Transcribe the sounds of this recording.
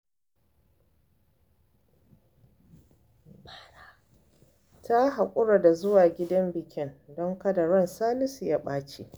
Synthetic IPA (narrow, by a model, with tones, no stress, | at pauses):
ba˨ɾa˨ | ta˦ɦa˨kʷʼʊ˦ɽa˨da˨zʊ˦waː˨ɡʲɪ˦dɐ˦mbɪ˨kʲɪ˦ndɔ˦ŋkɐ˦da˨ɾɔ˦˨nsaː˦lɪ˦si˨ja˦ɓaː˦t͡ʃḛ˨ʔ